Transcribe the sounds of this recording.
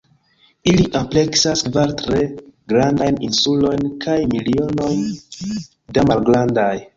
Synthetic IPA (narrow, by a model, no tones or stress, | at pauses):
iliʔample̞ksaskvaɾtɾe̞ɡɾandajninsulo̞jnkʰajmilio̞no̞jn | damalɡɾandaj